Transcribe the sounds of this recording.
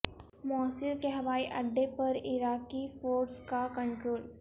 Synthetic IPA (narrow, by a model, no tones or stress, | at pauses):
mɔːsɪlkeɦɐʋaːiʔɐɖːepɐɾɪɾaːkifoːɾskakɐ̃ɳʈɾoːl